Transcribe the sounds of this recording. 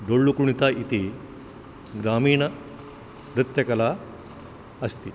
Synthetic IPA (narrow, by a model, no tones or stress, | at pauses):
ɖoɭːukuɳ̃it͡s̪aʔit̪i | ɡɾaːmiːɳɐ | ɾɨt̪jɐkɐla | əst̪i